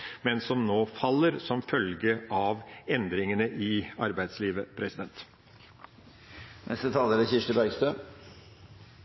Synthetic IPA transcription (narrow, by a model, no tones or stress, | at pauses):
mɛnsɔmnoːfɑlːəɾsɔmfœlɡəʔɑʋɛnd̪ɾɪŋənəʔɪɑɾbæɪd̪sliːʋəpʰɾɛsɪd̪ɛnt̪ | nʔɛ̰st̪ət̪ʰɑːləɾəçɪʂʈəbæɪɡst̪øː